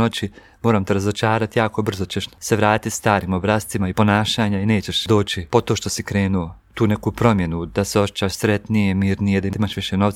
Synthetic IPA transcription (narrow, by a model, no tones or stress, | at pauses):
ot͡ɕi | moːɾaːmt̪eɾazot͡ʃaːɾat̪ijaːko̞br̩zo̞t͡ɕeʃseʋɾaːt̪it̪st̪aːɾiːmobɾaːst̪imaipo̞naːʃaːɲaine̞ːt͡ɕe̞ʃd̪o̞ːt͡ɕipo̞t̪o̞ːʃt̪o̞sikɾeːnuo̞t̪uːnekupɾo̞mje̞nud̪aseo̞ʃet͡ɕaːʃsɾet̪nije̞miːɾnije̞d̪aiimaʃʋiʃe̞no̞ʋt̪